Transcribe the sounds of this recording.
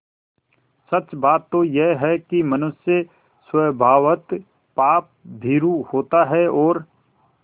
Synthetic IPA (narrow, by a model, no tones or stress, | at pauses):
sɐt͡ʃbaːt̪ːojeɦɛkimɐnʊsjə | swəbʱaːʋət̪ | paːp̚b̪ʱiːɾuhoːt̪aɦɛɔːɾ